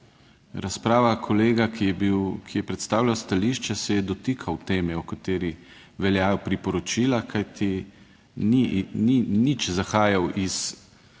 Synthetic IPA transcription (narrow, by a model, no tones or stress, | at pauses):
ɾaspɾaːʋakʰɔleːɡakiɛbiwkʰijɛpɾɛt̪st̪aːwlʲawst̪aliːʃt͡ʃɛsɛjɛd̪ɔt̪ikʰawt̪eːmɛɔkat̪eːɾi | ʋɛljaːjɔpɾipɔɾɔt͡ʃiːlakʰajt̪ʰi | nininit͡ʃzaxaːjawʔis